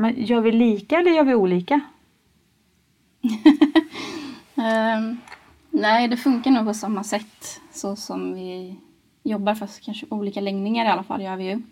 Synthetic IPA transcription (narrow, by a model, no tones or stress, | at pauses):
mɛnjœːɾvɪliːkaɛlːəjœːɾvɪuːliːka | næɪd̪ɛfɵŋkaɳuːɡ̚pɔsamːasɛt̪ːsɔsɔmvɪ | jɔbːaɾfast̪kʰanʂəuːliːkalɛŋnɪŋaɾɪalːafa̰lːjœːɾvɪjɵ